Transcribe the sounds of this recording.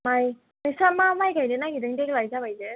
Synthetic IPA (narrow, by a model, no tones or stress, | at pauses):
maj | majsamamajɡajdɯnaɡidɯŋdeklajzabajdɯ